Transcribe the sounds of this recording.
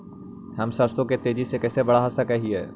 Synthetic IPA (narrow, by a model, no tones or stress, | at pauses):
ɦɐmsɐɾsõket̪eːd͡ʒisekɛːsebɐɽaɦɐsakɐɦiɦɛː